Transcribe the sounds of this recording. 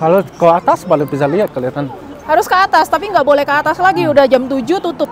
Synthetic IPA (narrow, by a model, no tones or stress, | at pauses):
kalokəat̪asbalɪkbis̬ahliɦat̪̚kəliat̪an | haɾʊskəːt̪ast̪apiŋɡaʔbolɛhkəːt̪aslaɡiudahd͡ʒamt̪ud͡ʒut̪ut̪ʊp̚